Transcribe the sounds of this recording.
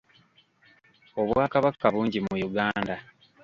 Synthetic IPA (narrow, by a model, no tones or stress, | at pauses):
o̞βwaːkaβakːaβuːɲɟimujuɡaːnda